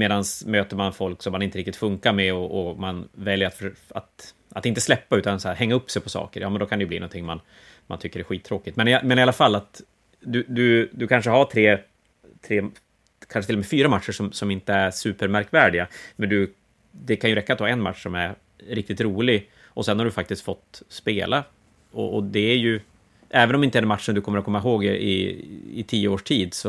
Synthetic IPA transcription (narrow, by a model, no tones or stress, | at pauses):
meːd̪ansmøːt̪əɾmanfɔlksɔmːanɪnt̪əɾɪkt̪ɪt̪fɵŋkamɛɔʔɔmanvɛljəɾat̪fa̰t̪ | at̪ɪnt̪əslɛpːaʉ̟ːt̪ansɔæːɾhɛŋːaɵpːsɛjpʰɔsɑ̰ːkəɾjɑːmɛnd̪ɔkʰand̪ɛjɵblḭːɔ̰nt̪ʰɪŋːman | mant̪ʰʏkːəɾɖɛɧiːt̪ʰːɾoːkɪt̪mɛnameːnaɾɪalafalːat̪ | d̪ɵd̪ɵd̪ɵkʰanʂ̬əɦaʈʰɾeː | t̪ʰɾeː | kʰanʂət̪ʰɪlɔmɛfyːɾamat̪ʂəʂɔmsɔmɪnt̪əæɾsʉ̟ːpəɾmæɾkvæːɖɪɡamɛnd̪ɵ | d̪ɛkʰanjɵɾɛkːat̪vaːɛnma̰t̪ʂsɔmæɾ | ɾɪk̚t̪ɪt̪ɾuːlɪɡ | ʔɔsɛnhaɾɖɵfak̚t̪ɪskt̪fɔt̪ːspeːla | ɔ̰ʔɔd̪ɛæɾjɵ | ʔɛːvənɔmɪnt̪əɛdɛnmat̪ʂənd̪ɵkʰɔmːɾɔkʰɔmːaɦoːɡɪɪ̰ɪ̰t̪ʰiːəoːʂʈʰiːd̪sɔ